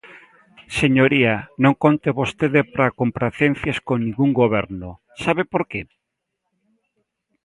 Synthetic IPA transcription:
seɲoɾianõŋkont̪eβost̪eðɪpɾakompɾaθen̟θjaskonĩŋɡuŋɡoβɛɾno | saβepoɾke

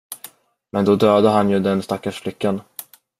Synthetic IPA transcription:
mɛnd̪ɔd̪øːd̪əɦanjɵd̪ɛnst̪akːaʂflʏkːan

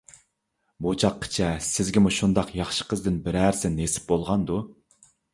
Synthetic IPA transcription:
but͡ʃʰɑqʰːə̥t͡ʃʰɛsɪzɡʲɪmuʃund̪ɑqjɑχʃə̥qʰəzd̪ɪnbɪɾæɾsɪnesɪ̥p̚bolˠʁɑnd̪u

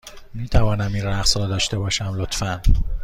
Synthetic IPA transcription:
miːt̪ʰævɒːnæmiːnræɢsɾɒːd̪ɒːʃt̪e̞bɒːʃæmlot̪fæn

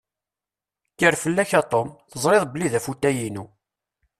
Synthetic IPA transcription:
kːəɾfəlːæçat̪ˤomθəzˤɾeðˤbəlːiðæfut̪ːæjinu

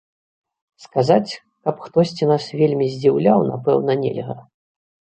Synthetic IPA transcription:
skazat͡sʲ | kɐpxt̪ɔsʲt͡sʲinasvʲelʲmʲizʲd͡zʲiwlʲawna̰pɛ̰wnɐnʲɛ̰lʲɣɐ̰

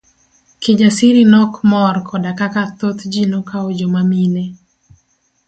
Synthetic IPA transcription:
kɪd͡ʒasɪɾinɔkmɔrkʰɔdakakat̪ot̪d͡ʒinokaod͡ʒomamine

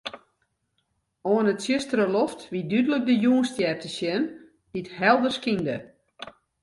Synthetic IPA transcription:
oənətsjɪstəɾəloftʋidydələk̚dəjuənstjɛrtəsjɛn | d̥ithɛlˠdərskində

